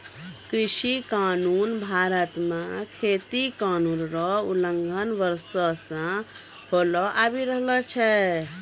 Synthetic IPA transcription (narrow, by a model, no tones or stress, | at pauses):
kɾiʃikaːnuːnbʱaːɾət̪mãkʰeːt̪ikaːnuːnɾɔuləŋɡʱənʋəɾsɔsã | holɔʔaːbiɾəɦlɔt͡ʃʰɛ